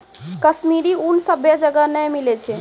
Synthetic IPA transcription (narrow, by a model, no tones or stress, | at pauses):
kəsmiɾiunsəbjad͡ʒəɡənəjmilɛt͡ʃʰɛ